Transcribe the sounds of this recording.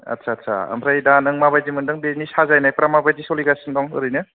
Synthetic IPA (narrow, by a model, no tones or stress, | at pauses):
ɐ̰tsʰaːtsʰa̰ɐ̰mʰɾajdanɯŋmabajdimɯndɯŋbenisazajnajpɾamabajdisɔliɡasɯndɔŋɯ̰ɾɯjnɯ